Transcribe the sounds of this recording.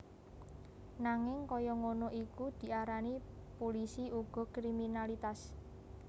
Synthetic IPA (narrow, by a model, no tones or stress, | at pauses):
naŋɪŋkɔjɔŋonoʔikud̪̥i̤aɾanipolisiuɡ̥ɔ̤kɾiminalit̪as